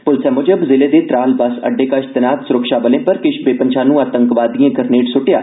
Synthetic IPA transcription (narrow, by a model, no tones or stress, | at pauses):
pʊlsɛːmoːd͡ʒəbzɪleːd̪eːt̪ɾaːlbəsə̰ɖːeːkəʃt̪ənaːt̪sʊɾəkʃaːbəlẽːpəɾkɪʃbeːpənt͡ʃʰãːnũːaːt̪əŋkʋaːd̪ijãːɡəɾneːʈsʊʈɪjaː